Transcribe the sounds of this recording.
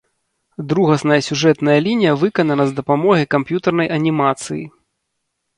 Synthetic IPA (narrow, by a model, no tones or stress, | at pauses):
d̪ɾuɣɐsnɐjɐsʲuʐɛt̪nɐjɐlʲinʲijɐvɨkɐnɐnɐzd̪ɐpamɔɣʲikampjut̪ɐrnɐjʔɐnʲimat̪sɨjḭ